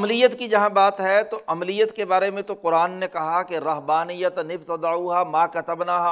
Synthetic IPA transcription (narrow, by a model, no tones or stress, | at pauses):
mlijət̪kid͡ʒɐɦãbaːt̪ɦɛt̪oʔɐmlijət̪kebaːɾemẽt̪oqʊɾaːnːẽkɐɦakeɾɐɦbaːnijət̪nɪbt̪ɐd̪auɦamaːkɐt̪əbnaɦa